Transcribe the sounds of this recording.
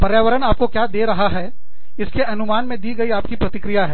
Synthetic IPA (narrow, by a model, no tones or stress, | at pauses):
pɐɾjaːʋəɾənaːp̚kokjaːd̪eːɾɐɦaɦɛː | ɪskeʔɐnʊmaːnmẽd̪iɡɐiaːpkipɾɐt̪ɪkɾijaɦɛː